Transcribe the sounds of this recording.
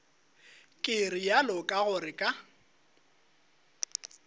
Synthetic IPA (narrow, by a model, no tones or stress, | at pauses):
kʼɪrɪjalɔkʼaɣʊrɪkʼa